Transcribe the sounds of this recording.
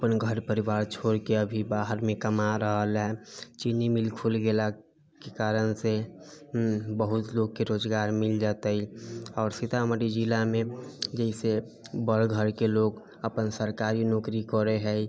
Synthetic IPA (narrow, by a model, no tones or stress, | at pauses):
əpənɡʱəɾpəɾiʋaːɾt͡ʃʰoːɾkeəbʱibaɦəɾmẽkəmaɾəɦəlɦɛt͡ʃinimɪlkʰulɡela | kekaːɾənse | bəɦut̪loɡ̚keɾoːd͡ʒɡaːɾmɪld͡ʒat̪eiɔːɾsɪt̪aməɾid͡ʒilamẽd͡ʒɛɪse | bəɾɡʱəɾkeloːɡ | əpənsəɾkaɾinɔkɾikɔɾeɦɛi